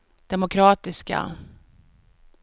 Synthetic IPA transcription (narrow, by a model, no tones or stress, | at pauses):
d̪̥ɛmʊkʰɾɑːt̪ɪska̰